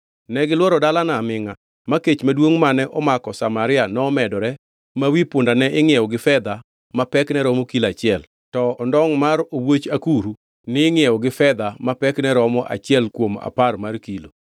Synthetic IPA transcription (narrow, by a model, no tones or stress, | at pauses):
nɛɡɪlwɔɾɔdalanamɪŋa | maket͡ʃmadwoŋmanɛʔɔmakɔsamaɾɪanɔːmɛdɔɾɛ | mawipʊndanɛʔɪŋɪjɛwɔɡɪfɛd̪a | mapɛknɛɾɔmokilat͡ʃɪɛl | tɔɔndɔŋmaɾowot͡ʃakuɾu | nɪːŋɪɛɔɡɪfɛd̪amapɛknɛɾɔmɔʔa̰t͡ʃɪɛlkwoma̰parmarkilo